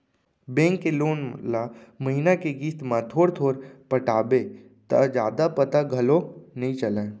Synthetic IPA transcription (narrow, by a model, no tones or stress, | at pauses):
bẽːŋkːeloːnlaməɦinakeɡiːst̪mãt̪ʰoːɾt̪ʰoːɾpəʈaːbe | t̪a̰d͡ʒaːd̪apət̪aɡʱɐlonəɦĩt͡ʃəlẽː